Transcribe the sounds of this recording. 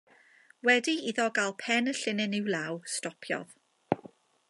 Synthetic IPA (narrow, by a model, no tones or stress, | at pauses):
wɛdiiðɔɡalˠpʰɛnəɬɪnɪnɪwlˠawstɔpʰjɔ̰ð